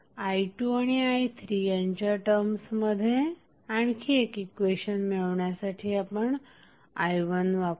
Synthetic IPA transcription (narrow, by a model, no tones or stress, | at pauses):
ajʈjuaɽ̃iajt̪ʰɾijãɲt͡ɕaʈəɾmsməd̪ʱːje | aɳkʰiekikʋeɕənmiɭʋɳjasaʈʰiapəɳ | ajʋənʋap